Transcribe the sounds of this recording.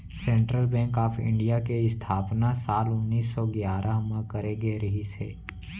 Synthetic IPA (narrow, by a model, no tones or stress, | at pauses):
sɛ̃ːɳʈɾəlbɛ̃ːŋkaːpʰɪ̰̃ɳɖijakeɪst̪ʰaːpnasaːlʊnːiːsːɔːɡjaːɾʔaɦmə̃kəɾeɡeɾɐɦisḛː